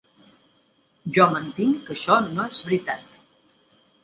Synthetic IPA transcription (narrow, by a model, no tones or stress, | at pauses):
ʒɔmənt̪iŋkəʃɔnoezβɾit̪at̪